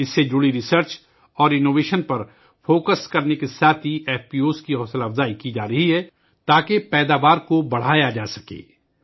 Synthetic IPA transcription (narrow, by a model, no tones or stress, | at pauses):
ɪsːed͡ʒuɽiɾɪsəɾt͡ʃ | ɔːɾɪnoːʋeːʃənpɐɾ | foːkəskɐɾnekesaːt̪ʰiʔɛːfpiːoːskiɦɔːsəlɐfzaːikid͡ʒaːɾɐɦiɦɛː | t̪aːkepɛːd̪aːʋaːɾkobɐɽ̤aːjad͡ʒaːsɐkḛː